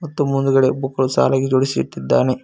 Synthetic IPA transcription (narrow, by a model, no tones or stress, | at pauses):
mɐt̪ːumund̪uɡɐɽebukːɐɭusa̰ːlɐɡed͡ʒoːɽisiʋḭt̪ːid̪ːaːne